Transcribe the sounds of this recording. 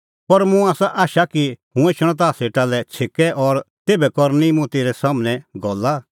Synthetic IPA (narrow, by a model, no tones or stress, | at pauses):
pɐɾmũaːsaʔaːʃakiɦũet͡ʃʰɽ̃ɔ̃t̪̬aːseʈalɛt͡sʰekɛʔɔɾ | t̪eːbɛkɔɾnimũt̪eːɾɛsaːmnɛ̃ɡʱɔlːa